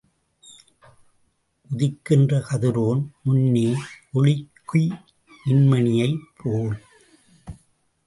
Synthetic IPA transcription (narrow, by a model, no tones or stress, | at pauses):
ʔʊðɪkːɪndrɐkɐðɪɾoːnmʊnːeːʔɔɭɪkːʊ | ɪnmɐɳɪjɐɪpʰːoːl